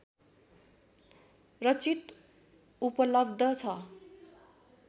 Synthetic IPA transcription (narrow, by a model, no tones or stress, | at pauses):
rʌt͡sit̪ | upʌlʌbd̪ʱʌt͡sʰʌ